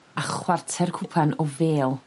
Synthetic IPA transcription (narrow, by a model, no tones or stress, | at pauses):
aχwartʰɛrkʰʊpʰanɔveːlˠ